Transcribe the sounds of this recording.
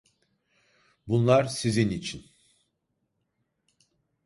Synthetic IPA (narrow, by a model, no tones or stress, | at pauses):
bunlˠaɾsizinit͡ʃʰin